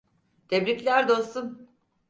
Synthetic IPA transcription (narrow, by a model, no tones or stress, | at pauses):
t̪ʰebɾicʲlʲæɾd̪o̞st̪un